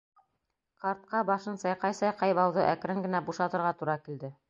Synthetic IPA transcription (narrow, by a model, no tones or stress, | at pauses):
qɑɾt̪̚qɑbɑʃɤnsɑjqɑjsɑjqɑjβɑwðɤʔæk̆ɾɘŋɡɘ̆næbuʃɑt̪ɤ̆ɾʁɑt̪uɾɑkild̪ɘ